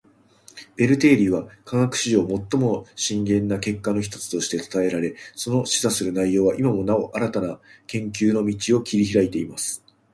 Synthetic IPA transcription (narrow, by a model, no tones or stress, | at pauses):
be̞ɾɯ̟t̪e̞ːɾʲiβakãŋakɯ̟̥ɕiʑo̞ːmo̞t̪ːo̞mo̞ɕĩŋɡẽ̞nːake̞kːano̞ç̬i̥t̪o̥t͡sɨ̥t̪o̞ɕi̥t̪e̞t̪ḁt̪ae̞ɾaɾe̞so̞no̞ɕi̥zasɨɾɯ̟naijo̞ːβaʔimamo̞nao̞ʔaɾat̪anakẽ̞ŋkʲɨːno̞mʲit͡ɕio̞kʲiɾʲiçiɾait̪e̞imasɨ̥